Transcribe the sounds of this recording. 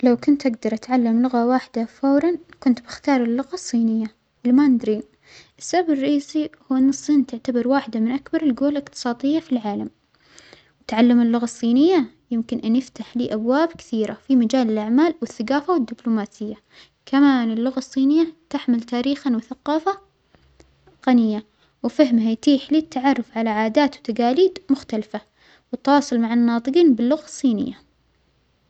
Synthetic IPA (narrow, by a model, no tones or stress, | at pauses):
lawkʊnt̪ʔaɡd̪ɑɾˤʔat̪ʕalːamlʊɣawaːħɪd̪afawɾˤɑnkʊnt̪bɪxt̪ɑːɾˤɪlːʊɣɑsˤːiːnɪjːa | ʔɪlːmanɪd̪ɾi | ʔɪsːababɪrˤːɑʔiːsihuːɪnːɨsˤːiːnt̪ɪʕt̪abɪɾwaːħɪd̪amɪnʔakbɑɾˤɪlɡoːllɪqt̪ɨ̥sˤɑːd̪ˤɪjːafilʕaːlam | wɪt̪ʕalːamɪlːʊɣɑsˤːiːnɪjːa | jɪmkɪnʔanjɪft̪aħliːʔabwaːbkɪ̥θiːɾa̰fimad͡ʒaːlɪlʔaʕmaːlwɪθːaɡaːfawɪd̪ːɪblʊmaːsɪjːa | kamaːnɪlːʊɣasˤːiːnɪjːat̪aħmɪlt̪aːɾiːxanwɪθaqɑːfa | qanɪjːa | wɪfaɦmhajt̪iːħliːt̪ːaʕɑrˤːʊfʕalaʕaːd̪aːt̪wt̪aɡaːliːd̪mʊxt̪alfa | wɪt̪ːwɑːsˤʊlmaʕanːɑːt̪ˤɨqiːnbɪlːʊɣasˤːiːnɪ̰jːa